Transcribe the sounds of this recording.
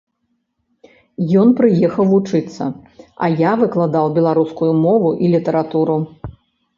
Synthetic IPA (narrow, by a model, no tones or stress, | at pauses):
jɔnpɾɨjɛxɐwvut͡ʂɨt̪sːɐ̰ɐ̰javɨklˠad̪awbʲɛlˠaɾuskujumɔvuʔilʲit̪ɐɾat̪uɾu